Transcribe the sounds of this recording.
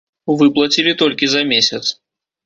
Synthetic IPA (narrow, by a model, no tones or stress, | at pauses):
vɨplˠɐt͡sʲilʲit̪ɔlʲkʲizɐmʲesʲɐt̪s